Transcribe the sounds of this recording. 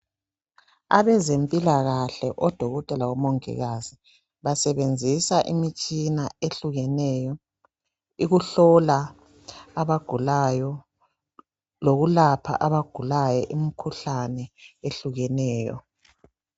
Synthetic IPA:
a̰βɛzempʼilaɣaɬɛʔɔd̥ʱɔɣɔtʼɛlawɔmɔŋɛ̰ɣazi | βasɛβend͡zʱisaʔimit͡ʃʼinaeɬuɣɛnɛjɔ | iɣuɬɔlaː | βaɡ̥ʱulajɔ | loɣulapʰa̰ʔaβaɡ̥ʱulajɛʔimikʰuɬanɛeɬuɣɛnɛːjɔ̰

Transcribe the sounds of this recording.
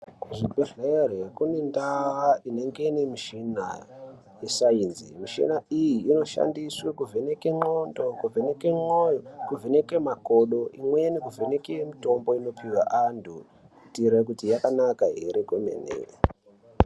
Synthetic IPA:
kuʐibʱeɮerekune̞ndaaʔine̞ŋɡe̞inemiʃina | jesainzimiʃḭnaijiːno̞ʃa̰ndiswekuvʱenekeŋ͡ǃondo̞kuvenekemojokuvʱenekemakoɗo̞imwenekuvʱenekemito̞mbo̞ino̞piwa̰ʔandu | tiɾekutijakanakaeɾekomḛnḛ

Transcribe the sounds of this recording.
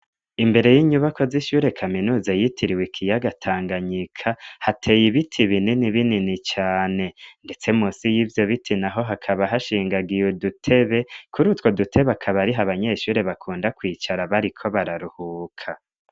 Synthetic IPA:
imbe̞ɾe̞jiɲuβakʰo̞ziʃuːɾe̞kʰaminuːzajitʰiɾiwekʰijaɡatʰaːŋɡaɲikʰahatʰe̞ːjiβitʰiβininiβininit͡ʃaːne̞nde̞t͡se̞muːsijiːvjo̞βitʰinaɦo̞ɦakʰaβaɦaʃiːŋɡaɡijodutʰe̞βe̞kʰuɾutwo̞dutʰe̞βakʰaβaɾiɦaβaɲe̞ʃuːɾe̞βakʰuːndakwiːt͡ʃaɾaβaɾikʰo̞βaɾaɾuhuːkʰa

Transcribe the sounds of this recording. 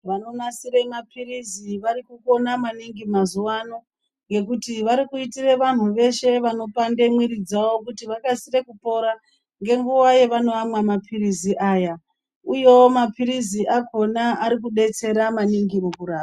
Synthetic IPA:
ʋano̞nasiɾemapʰiriziʋaɾikuko̞namaniŋɡimazuwano̞ | ŋɡe̞kutiʋaɾikuitireʋan̤uʋe̞ʃe̞ʋano̞pande̞mwiɾid͡zawo̞kutiʋakasire̞kupo̞ɾa | ŋɡe̞ŋɡuajeʋano̞amwamapʰiriziʔaːja | ujo̞mapiɾiziʔako̞naaɾik̬uɗe̞t͡se̞ɾamaniŋɡimukuɾaːa

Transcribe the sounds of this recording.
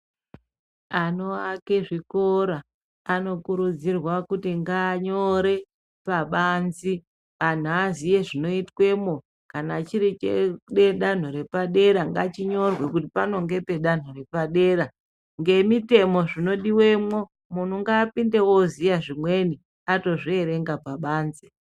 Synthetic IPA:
ano̞ake̞ʐikoɾaː | no̞kuɾud͡zirwakutiŋɡaːɲo̞ɾe̞ | paɓanzi | ʋan̤uazije̞ʐino̞itwe̞mo̞ | kanat͡ʃiɾit͡ʃḛɗeɗan̤uɾe̞paɗe̞ɾaŋɡat͡ʃiɲo̞rwe̞kutipano̞ŋɡe̞pe̞ɗan̤ore̞paɗe̞ːɾa | ŋɡe̞mite̞mo̞ʐino̞ɗiwe̞mwo̞ | mun̤uŋɡaːpinde̞wo̞zijaʐimwe̞ni | ato̞ʐie̞ɾe̞ŋɡapaɓaːnzi̥

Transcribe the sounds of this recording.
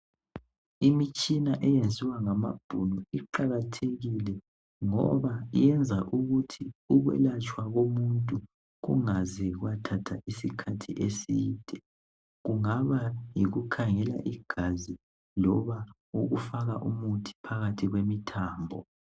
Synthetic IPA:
imit͡ʃʼinaʔɛjend͡zʱiwaŋama̰b̥ʱuluiǃaɣatʰeɣilɛ | ŋɔ̰βaijɛnd͡zʱaʔuɣutʰiuɣwɛ̰lat͡ʃʰʼwaɣomuntʼu | ɣṵŋazɛɣwatʰatʰaʔisikʰatʰiʔesiːd̥ʱɛ | ɣuŋaβajiɣukʰaŋɛla̰ʔiɡ̥ʱazi | lɔβa | uɣufaɣaʔumutʰi̥pʰaɣatʰiɣwemitʰaːmbʱɔ̰

